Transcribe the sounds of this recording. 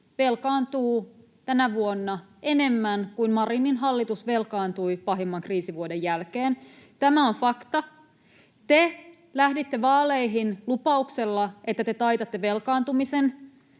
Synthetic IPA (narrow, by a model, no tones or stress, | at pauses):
ʋe̞lkɑːnt̪uː | t̪ænæʋuonːɑe̞ne̞mːænkuinmɑrinːinɦɑlːit̪usʋe̞lkɑːnt̪uipɑɦemːɑŋkriːsiʋuodejælkeːn | t̪æmæonfɑkt̪ɑ | t̪e | læhdit̪ːeʋɑːleiɦinlupɑukselːɑʔet̪ːæt̪e̞t̪ɑjt̪ɑt̪ːeʋe̞lkɑːnt̪umisen